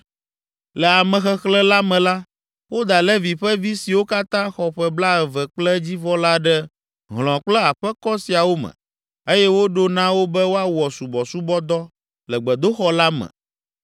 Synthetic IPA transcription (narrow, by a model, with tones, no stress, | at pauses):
lɛ˨a˨mɛ̃˨xɛ˦xlɛ˦la˦mɛ̃˨la˦ | wo˦d̪a˨lɛ˦vi˨ɸɛ˦vi˦si˨wo˦ka˦t̪ã˦xɔ˨ɸɛ˨bla˦ɛ˨vɛ˨k͡plɛ˦d͡ʑi˦vɔ˦la˦ɖɛ˦ | ɦl̃ɔ̃˨k͡plɛ˦a˨ɸɛ˦kɔ˦si˨a˨wo˦mɛ̰̃˨ | e˦jɛ˦wo˦ɖo˦nã˦wo˦bɛ˦wo˦a˦wɔ˨su˨bɔ˨su˦bɔ˦d̪ɔ˦ | lɛ˨ɡ͡bɛ˨d̪o˦xɔ˦la˦mɛ̰̃˨